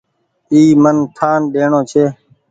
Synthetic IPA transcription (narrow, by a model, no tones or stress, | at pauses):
iːmənt̪ʰaːnɗeːɳõːt͡ʃʰeː